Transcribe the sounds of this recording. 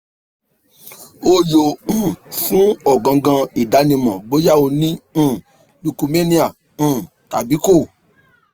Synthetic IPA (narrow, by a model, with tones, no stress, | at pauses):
o˦jo˨ũ˨fũ˨˦ɔ˦˨ɡã˨ɡã˧i˨da˨˦nĩ˧mɔ̃˨bo˨˦ja˦˨o˧nĩ˦˨ | lu˧ku˧me˦nĩ˧ã˨ | ta̰˨bi˨˦ko˦˨